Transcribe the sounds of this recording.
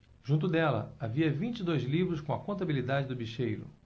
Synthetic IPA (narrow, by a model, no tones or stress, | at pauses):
ʒ̥ũt̪̬ʊd̪ɛlɐ̰aviɐvĩt͡ʃɪd̪ojzlivɾʊskõɐkõnt̪abilid̪ad͡ʒɪd̪ʊbiʃejɾʊ̰